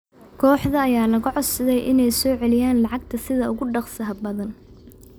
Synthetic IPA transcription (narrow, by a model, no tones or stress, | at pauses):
kʰɔːħðɐːjaːlɐɣʊʕɔd̪sɐðɛjʔɪnɛjsɔːʕɛlɪjaːnlɑʕɑɡ̚t̪ʰɐsɪðɐʊɣʊɖɑqsɐɦɐbɐðɐn